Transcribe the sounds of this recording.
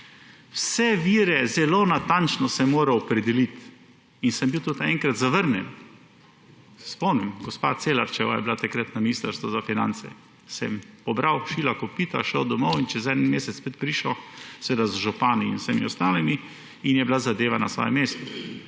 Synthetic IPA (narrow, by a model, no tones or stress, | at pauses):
wsɛʋiːɾɛzɛloːnat̪ant͡ʃnɔsɛmoːɾawɔpɾɛd̪ɛlit̪ | insəmbiwt̪ot̪aɛ̃ŋkɾat̪zaʋəɾnjɛ̰n | ɛspɔwnimɡɔspa̰t̪selaɾt͡ʃɛwa̰jɛ̰blat̪akɾat̪naminiːst̪əɾst̪ʋɔzafinã̰nt̪sɛ̰ | sɛmpɔbɾawʃiːlakopit̪a̰ʃɛɔd̪ɔmɔwint͡ʃɛzɛd̪nmeːsɛt̪spet̪̚pɾiʃɔseʋeːd̪azʒupaːniinsɛmiɔst̪aːlimi | injɛblazad̪eːʋanasʋɔ̰ːjɛmeːst̪ɔ